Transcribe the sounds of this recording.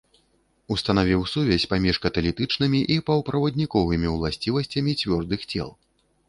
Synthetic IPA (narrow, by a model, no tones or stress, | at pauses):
ust̪ɐnavʲiwsuvʲɛsʲpamʲiʂkɐt̪ɐlʲit̪ɨt͡ʂnɨmʲiʔipɐwpɾɐvɐd̪ʲnʲikɔvɨmʲiwlˠasʲt͡sʲivɐsʲt͡sʲɐmʲit͡sʲvʲɔrd̪ɨxt͡sʲɛ̰lˠ